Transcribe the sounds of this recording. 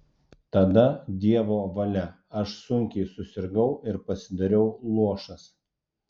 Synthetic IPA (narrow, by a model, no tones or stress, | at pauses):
t̪ɐd̪ɐd̪ʲiɛʋoːʋɐlʲɛ | ɐʃsʊŋʲkʲɛɪsʊsʲɪɾɡɐʊɪɾpɐsʲɪd̪ɐɾʲɛʊlˠuɔʃɐs